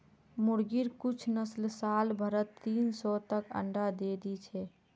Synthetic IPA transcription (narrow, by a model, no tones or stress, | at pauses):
muɽɡiɾkut͡ʃʰnəslsalbʱəɾət̪ːinsɔt̪əkə̰ɳɖad̪ed̪it͡ʃʰɛ